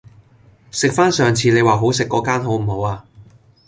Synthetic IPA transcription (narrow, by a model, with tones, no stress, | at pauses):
sɪ˨k̚faː˥nsœː˨ŋt͡sʰiː˨˧ne˨˧jwaː˨˩ɦo˨˥wsɪ˨kːɔː˨˥kaː˥nɦo˨˥wm̩˨˩ɦo˨˧waː˧